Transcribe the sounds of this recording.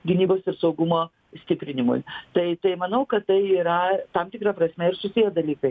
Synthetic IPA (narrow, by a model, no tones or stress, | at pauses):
ɡʲɪnʲiːboːsɪɾsɐʊɡʊmoː | sʲt̪ʲɪpʲɾʲɪnʲɪmʊ̰jt̪ɐɪt̪ɐɪmɐnɐʊkɐt̪t̪ɐɪiːɾɐt̪ɐmt̪ʲɪkɾɐpɾɐsʲmʲɛɪɾsʊsʲijɛd̪ɐlʲiːkɐɪ